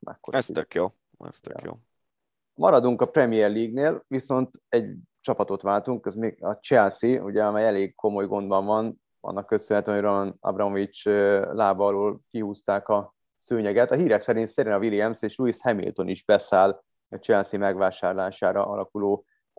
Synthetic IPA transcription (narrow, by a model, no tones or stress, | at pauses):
ɛ̰kːoɾɛst̪økjoː | ɛ̰st̪ø̰jo̰ː | mɒɾɒd̪uŋkɒprɛmijɛrliːɡneːlʋiso̞nt̪ɛɟ | t͡ʃɒpɒt̪o̞t̪ʋaːlt̪uŋkɛzmeːɡɒt͡ʃɛlsiṵɟɛɒmɛjɛleːɡ̚kʰo̞mo̞jɡo̞nd̪bɒɱvɒn | ɒ̰nːɒkːø̞sønɦɛt̪ymɦoɟronɒnɒ̰brɒmovit͡ʃlaːbɒːloːlkiɦuːst̪aːkɒ | søːɲɛɡɛt̪ɒɦiːɾɛksɛɾint̪sɛɾinɒviliɛmseːʃluishɛmḭlt̪o̞niʒbɛsaːl | ɒt͡ʃɛlsimɛɡʋaːʃaːrlaːʃaːɾɒ̰ʔɒ̰lʔɒkuloː